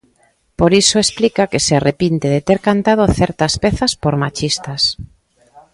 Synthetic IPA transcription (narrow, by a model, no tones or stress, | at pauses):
poɾisoesplikakesearepint̪eðet̪eɾkant̪að̞oθɛɾt̪aspɛθaspoɾmat͡ʃist̪as